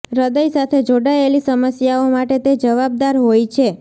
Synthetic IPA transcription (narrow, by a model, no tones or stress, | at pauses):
ɾəd̪əjsat̪ʰed͡ʒoɽaelisəməsjaomaʈet̪ed͡ʒəʋab̚d̪aɾɦojt͡ʃʰe